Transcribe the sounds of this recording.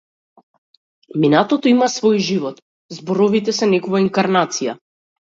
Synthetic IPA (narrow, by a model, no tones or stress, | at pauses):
minat̪ɔt̪ɔimasvɔjʒivɔt̪ | zbɔɾɔvit̪ɛsɛnɛkɔvaiŋkaɾnat̪sija̰